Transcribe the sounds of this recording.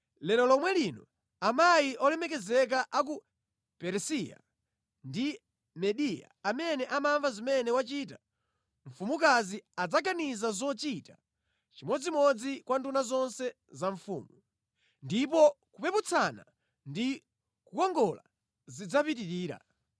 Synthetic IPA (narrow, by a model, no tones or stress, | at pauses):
lɛlɔlɔmwɛlinɔ | amajiʔɔlɛmɛk̬ɛzɛk̬aʔak̬u | pɛɾsija̰ | ndi | mɛɗija̰amɛnɛʔamaɱvazimɛnɛwat͡ʃiːta | ɱ̩fumuk̬aziad͡zaɡanizazɔt͡ʃita | t͡ʃimɔd͡zimɔd͡zikwantunazɔnsɛ | zaɱfuːmu | ndip̬ɔkupɛput͡sʰana̰ | ndi | kukɔŋɡɔla̰ | zid͡zapitiɾiːɾa̰